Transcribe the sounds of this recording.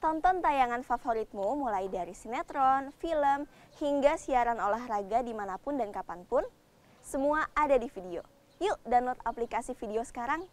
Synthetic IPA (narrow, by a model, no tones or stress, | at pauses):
t̪ɔnt̪ɔnt̪ajaŋanfafoɾit̪̚mumulajdaɾisinat̪ɾɔnfiləm | hiŋɡasiaɾanolahraɡadimanapʊndankapanpʊn | səmuaːdadifidio̰ | judanlɔt̪aplikasifideosə̥kaɾaŋ